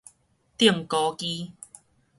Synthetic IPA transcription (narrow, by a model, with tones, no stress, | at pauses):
t̪i˥˩˨m̩˨kɔː˧kiː˧